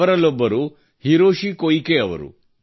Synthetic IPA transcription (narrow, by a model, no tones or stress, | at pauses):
ɐɾɐlːɔbːɐɾu | hiɾoːʂikojikeɐʋɐ̰ɾṵ